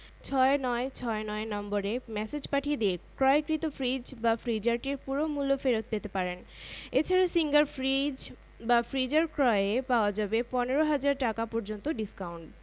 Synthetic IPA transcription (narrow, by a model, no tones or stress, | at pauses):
t͡ɕʰɔenɔet͡ɕʰɔenɔenɔmboɾemɛsed͡ʑpaʈʰijed̪iekɾɔekɾit̪ofʰɾid͡ʑbafɾid͡ʑaɾʈiɾpuɾomulːofeɾot̪̚pet̪epaɾen | et͡ɕʰaɾasiŋɡaɾfɾid͡ʑ | bafɾid͡ʑaɾkɾɔeepaoad͡ʑabepɔneɾoɦad͡ʑaɾʈakapɔɾd͡ʑont̪oɖiskawuɳʈ